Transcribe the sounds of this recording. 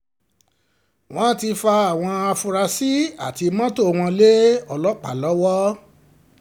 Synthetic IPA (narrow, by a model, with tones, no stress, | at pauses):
w̃ɔ̃˦ti˧fa˧a˨w̃ɔ̃˧a˧fũ˧ɾa˧si˦a̰˦˨ti˧mã˦to˦˨w̃ɔ̃˧le˦ɔ˧lɔ˦k͡pa˨lɔ˦wɔ˦